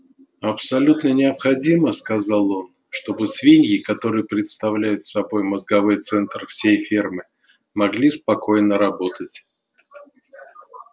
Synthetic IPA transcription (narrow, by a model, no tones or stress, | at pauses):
ɐpsɐlʲut̪nənʲɪɐpxɐdʲiməskɐzɑlˠo̞n | ʂt̪o̞bɨsvʲinʲjʲɪkɐt̪o̞ɾɨjəpɾʲɪt̪st̪ɐvlʲæjʊt̪sɐbo̞jməzɡɐvojt̪sɛnt̪rfsʲejfʲirmɨ | mɐɡlʲispɐko̞jnəɾɐbo̞t̪ətʲ